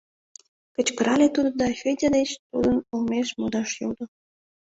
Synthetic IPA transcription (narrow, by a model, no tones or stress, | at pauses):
kə̆t͡ɕkəɾɑlʲet̪ud̪od̪ɑfʲedʲad̪et͡ɕt̪ṵd̪ənumeʃmud̪ɑʃjṵld̪o